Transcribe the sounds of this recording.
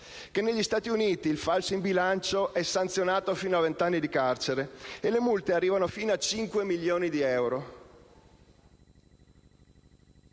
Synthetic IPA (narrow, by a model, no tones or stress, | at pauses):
kenːeʎːist̪aːt̪iuniːt̪iːlfalsoimbilant͡ʃoʔɛsːant̪sjonaːt̪ofiːnoavent̪anːid̪ikart͡ʃeɾeelemult̪earːiːvanofiːnoat͡ʃiŋkwemilːjoːnid̪iɛwɾo